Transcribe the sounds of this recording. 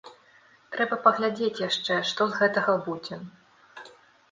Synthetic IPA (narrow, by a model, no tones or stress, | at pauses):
t̪ɾɛbɐpɐɣlʲad͡zʲet͡sʲjaʂt͡ʂɛʂt̪ɔzɣɛt̪ɐɣɐbud͡zʲɛ